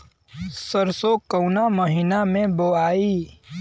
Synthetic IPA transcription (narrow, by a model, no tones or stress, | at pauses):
səɾsokəwnaməɦiːnamẽboaːiː